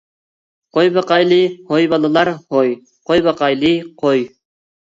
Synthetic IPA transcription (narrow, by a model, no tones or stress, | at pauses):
qojbɑqɑjlˠɨhojbɑlˠɨlˠɑɾhoj | qʰojbɑqɑjlˠɨqʰoj